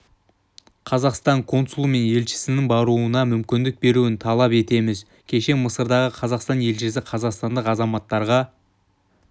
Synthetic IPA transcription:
qʰɑzɑqst̪ɑŋkʰo̞nsulˠme̞nje̞lʃɪ̥sɪnɪŋbɑɾuənɑmʏmkʲɪnd̪ɪk̚be̞ɾuɪnt̪ʰɑlˠɑpe̞t̪e̞mɪz | kʲʰe̞ʃe̞məsəɾd̪ɑʁəqʰɑzɑqst̪ɑnje̞lʒɪsɪqʰɑzɑqst̪ɑnd̪əqɑzɑmɑt̪ːɑɾʁɑ

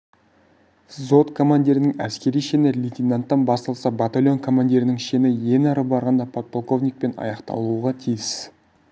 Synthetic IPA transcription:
zo̞t̪kʰo̞mand̪ʲeɾɪnɪŋæskʲe̞ɾijʃenɪlʲit̪ʲinant̪ːɑnbɑst̪ɑlˠsɑbat̪alʲjo̞nkʰo̞mand̪ʲeɾɪnɪŋʃenɪje̞nɑɾəbɑɾʁɑnd̪ɑpʰot̪̚pʰolˠko̞vnʲijk̚pe̞nɑ̰jɑqt̪ɑ̰lˠuʁɑt̪ʰijɪs

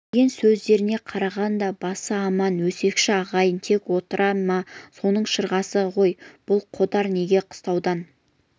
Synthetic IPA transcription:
ɡʲe̞nsɵzd̪e̞ɾɪne̞qʰɑɾɑʁɑnd̪ɑbɑsəɑmɑnwɵse̞kʃɪɑʁɑjənt̪ʰe̞kwo̞t̪əɾʔɑmɑso̞nəɴʃəɾʁɑsəʁo̞jb̥ʊlˠqʰod̪ɑɾne̞ɡʲe̞qʰʊ̥st̪ɑwd̪ɑn

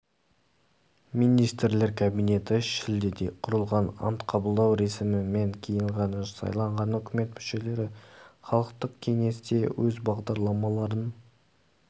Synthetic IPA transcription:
mijnijst̪ɾle̞ɾkʰabijne̞t̪ɪʃɪld̪ed̪e̞qʰʊɾəlˠʁɑnɑ̰nt̪qʰɑbəlˠd̪ɑwɾe̞sɪmɪme̞ŋkʲʰijɪɴʁɑnɑʒəsɑ̰jlˠɑɴʁɑnɵkʲɪme̞t̪mʏʃe̞le̞ɾɪχɑlˠəqt̪əq̚kʲʰe̞ŋe̞sd̪e̞wɵzbɑʁd̪ɑɾlˠɑmɑlˠɑɾən

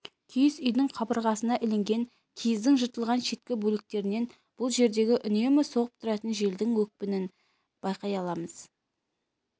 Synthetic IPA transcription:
kʲʰijɪsʏjd̪ɪŋqʰɑbəɾʁɑsənɑʔɪleŋɡʲe̞ŋ | kʲʰijɪzd̪ɪŋʒət̪əlˠʁɑnʃe̞t̪̚kʲɪbɵlɪk̚t̪e̞ɾɪne̞n | b̥ʊlˠʒe̞ɾd̪e̞ɡʲɪʔʏne̞mɪso̞ʁəp̚t̪ʰʊɾɑt̪ənʒe̞ld̪ɪŋwɵk̚pɪnɪn | b̥ɑjqɑjɑlˠɑməz̥

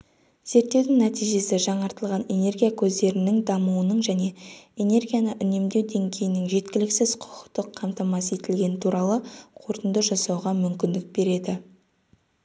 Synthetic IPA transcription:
z̥e̞ɾt̪ːe̞wd̪ɪŋnæt̪ijʒe̞sɪʒɑɴɑɾt̪əlˠʁɑne̞ne̞rɡʲijakʲʰɵzd̪e̞ɾɪnɪŋd̪ɑmuwənəɴʒæne̞ene̞ɾɡʲijanəʔʏne̞md̪e̞wd̪e̞ŋɡʲe̞jɪnɪŋʒe̞t̪kʲɪlɪksɪz̥qʰʊ̥qə̥qt̪ːəqʰːɑmt̪ɑmɑsəjet̪ɪlɡʲe̞nɪt̪ʰuɾɑlˠəqʰo̞ɾt̪ənd̪əʒɑsɑwʁɑmʏmkʲɪnd̪ɪk̚be̞ɾe̞d̪ɪ

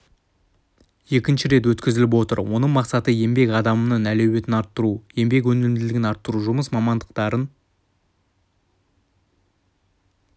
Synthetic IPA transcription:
je̞kʲɪnʃɪɾe̞t̪wɵt̪kʲɪzɪlɪpwo̞t̪ə̰ɾwʔo̞nəɴmɑqsɑt̪əje̞mbe̞kʲɑd̪ɑmənɑnælewe̞t̪ɪnɑɾt̪ːəɾuje̞mbe̞k̬wɵnelɪmd̪ɪlɪɡʲɪnɑɾt̪ːəɾuʒʊməsmɑmɑnd̪əqt̪ɑɾən

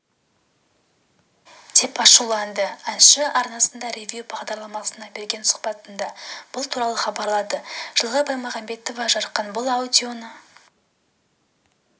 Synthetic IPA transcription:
d̪̥ʰe̞pɑʃulˠɑnd̪əænʃəʔɑɾnɑsənd̪ɑɾevʲjubɑʁd̪ɑɾlˠɑmɑsənɑbe̞ɾɡʲe̞nsʊ̥qpɑt̪ənd̪ɑb̥ʊlˠt̪ʰuɾɑlˠəχɑbɑɾlˠɑd̪əʒ̥əlˠʁəbɑjmɑʁɑmbe̞t̪ovɑʒɑɾqqːɑnbʊlˠawd̪ʲio̞nə

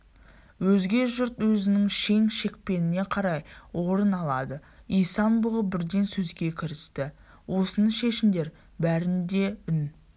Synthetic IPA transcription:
wɵzɡʲe̞ʒʊɾt̪wɵzɪnɪŋʃe̞ŋʃe̞k̚ʲpe̞nɪne̞qʰɑɾɑjwo̞ɾənɑlˠɑd̪əijsɑnbʊʁəbɪɾd̪e̞nsɵzɡʲe̞kʲʰɪɾɪst̪ɪ | wo̞sənəʃe̞ʃɪmd̪e̞ɾ | bæɾɪnd̪e̞ɪn

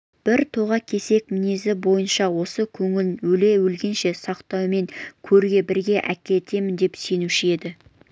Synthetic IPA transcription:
b̥ɪɾt̪ʰo̞ʁɑkʲʰe̞se̞k̚mɪnezɪbo̞jənʃɑwo̞səkʲʰɵŋɪlnwɵle̞wɵlɡʲe̞nʃe̞sɑqt̪ɑwme̞ŋkʲʰɵɾɡʲe̞bɪɾɡʲe̞ʔækʲe̞t̪e̞mɪnd̪e̞pse̞nuʃɪe̞d̪ɪ

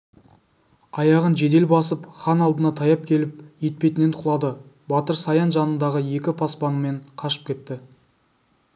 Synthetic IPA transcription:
ɑjɑʁənʒe̞d̪e̞lbɑsəpχɑnɑlˠd̪ənɑt̪ʰɑjɑp̚kʲʰe̞lɪp̚je̞t̪̚pe̞t̪ɪne̞nt̪ʰʊlˠɑd̪əbɑt̪əɾsɑjɑnʒɑnənd̪ɑʁəje̞kʲɪpʰɑspɑnəme̞ɴqʰɑʃə̥p̚kʲe̞t̪ːɪ

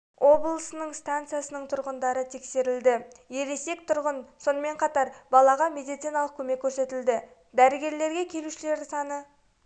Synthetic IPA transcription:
wʔo̞blˠəsənəɴst̪ant̪sɨijasənəɴt̪ʰʊɾʁənd̪ɑɾət̪ʰe̞kse̞ɾɪld̪ɪ | je̞ɾe̞se̞kt̪ʰʊɾʁənso̞nəme̞ɴqʰɑt̪ɑɾbɑlˠɑʁɑme̞d̪ijt̪sijnɑlˠəq̚kʲʰɵme̞kʲʰːɵɾse̞t̪ɪld̪ɪ | d̪æɾɪɡʲe̞ɾle̞ɾɡʲe̞kʲʰe̞luʃɪle̞ɾsɑnə

